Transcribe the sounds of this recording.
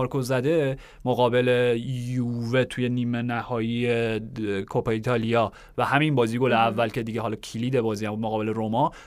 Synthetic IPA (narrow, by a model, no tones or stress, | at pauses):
ɾkʰozæd̪e̞ | mo̞ɣɒːbe̞lejuve̞t̪ʰujeniːmenæhɒːjiekʰopɑit̪ʰɒlijɒː | væhæminbɒːziːɡoleævːælce̞d̪iːɟeɦɒlɒcʰiliːd̪ebɒːziːhæmbud̪moɣɒːbe̞le̞ɾomɒ